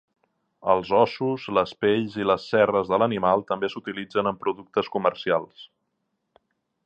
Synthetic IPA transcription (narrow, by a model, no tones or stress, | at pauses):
ə̰lˠzɔsuzləspeʎziləsːɛrəzðələnimalˠt̪əmbesut̪ilid͡zənəmpɾuðuk̚t̪əskumərsialˠs